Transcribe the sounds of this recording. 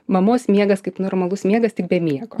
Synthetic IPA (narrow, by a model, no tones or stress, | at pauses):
mɐmoːsmʲiɛɡɐskɐɪpnoːrmɐlˠʊsmʲiɛɡɐst̪ʲɪk̚bʲɛmʲiɛɡoː